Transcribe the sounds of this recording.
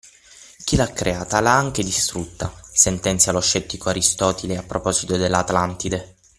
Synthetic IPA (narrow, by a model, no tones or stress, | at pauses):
k̟ilakːɾʔeaːt̪alaaŋk̟ed̪ist̪ɾut̪ːasent̪ɛnt̪sjaloʃːɛt̪ːikoaɾist̪ɔːt̪ileapːɾopɔːzit̪od̪elːat̪alant̪id̪e